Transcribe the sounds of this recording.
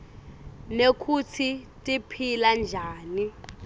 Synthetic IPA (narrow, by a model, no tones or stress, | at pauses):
nekʰut͡sʰitʼipʰiland͡ʒʱaːni